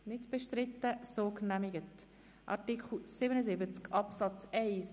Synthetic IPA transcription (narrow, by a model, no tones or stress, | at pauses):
nɪtb̥eʃtɾɪtːəsoːknæmiɡət | ʔɑ̰tikχl̩sɪbənəzɪbət͡skʰɑpsɑt͡sɛɪs